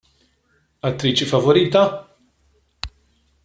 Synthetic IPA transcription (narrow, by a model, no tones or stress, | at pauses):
ɐt̪ːɾiːt͡ʃifɐvɔɾiːt̪ɐ